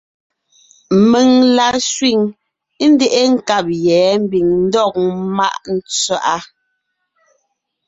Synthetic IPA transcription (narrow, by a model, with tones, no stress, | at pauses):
me˨ŋla˨sɥi˦˨ŋ˦ | n˦de˦ʔe˦ŋ̩˨ka˦˨p̚jɛː˨˦m̩˦bi˨ŋn̩˦dɔ˦˨k̚ma˦˨ʔn̩˦t͡sɥa˦ʔa˦